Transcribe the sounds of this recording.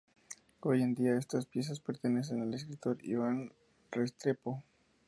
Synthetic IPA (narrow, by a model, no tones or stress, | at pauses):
o̞je̞nd̪iae̞st̪aspje̞s̬aspe̞ɾt̪e̞ne̞s̬e̞nale̞skɾit̪o̞ɾḭβan | rest̪ɾe̞po